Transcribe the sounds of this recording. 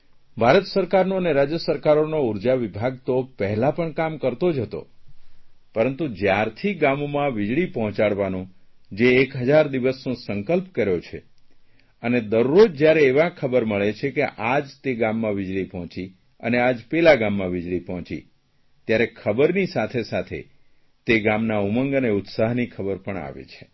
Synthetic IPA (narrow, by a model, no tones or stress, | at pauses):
bʱaɾət̪səɾkaɾnoəneɾad͡ʒjəsəɾkaɾonouɾd͡ʒaʋibʱaɡt̪opəɦɛlãpəɳkamkəɾt̪od͡ʒɦət̪o̰ | pəɾənt̪ud͡ʒjaɾt̪ʰiɡamomãʋɪd͡ʒɭipɔɦɔ̃t͡ʃaɽʋanũ | d͡ʒeːkɦəd͡ʒaɾd̪iʋəsnũsəŋkəlpkəɾjot͡ʃʰḛ | əned̪əɾːod͡ʒd͡ʒjaɾeːʋãkʰəbəɾməɭet͡ʃʰekeʔad͡ʒt̪eɡamːãʋɪd͡ʒɭipɔɦɔ̃t͡ʃi | ənead͡ʒpɛlaɡamːãʋɪd͡ʒɭipɔɦɔ̃t͡ʃḭ | t̪jaɾekʰəbəɾnisat̪ʰesat̪ʰḛ | t̪eɡamnauməŋɡəneʊt̪saɦnikʰəbəɾpəɳa̰ʋḛt͡ʃʰe̥